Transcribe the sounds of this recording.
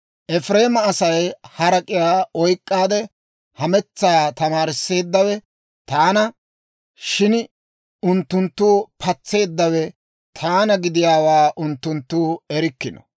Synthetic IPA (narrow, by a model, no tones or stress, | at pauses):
ʔɛfɾe̞ːmɐːsɐjhɐɾɐkʼɪjaːɔjkʼːaːd̪ɛ | hɐmɛt͡sːaːt̪ɐmaːɾɪsːe̞ːd̪ːɐwɛ | t̪aːnɐ | ʃɪn | ʊnt̪ːʊnt̪ːuːpʰɐt͡sːe̞ːd̪ːɐwɛ | t̪ʰaːnɐɡɪd̪ɪjaːwaːʔʊnt̪ːʊnt̪ːuːɛɾɪkːɪnɔ̥̰